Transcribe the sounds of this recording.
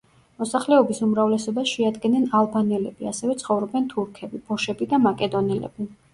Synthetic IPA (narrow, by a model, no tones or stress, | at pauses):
mɔsaχlɛɔbisumɾavlɛsɔbasʃɛad̪ɡɛnɛnalˠbanɛlɛbiasɛvɛt̪sʰχɔvɾɔbɛnt̪ʰuɾkʰɛbib̥ɔʃɛbid̪amakʼɛd̪ɔnɛlɛ̰bi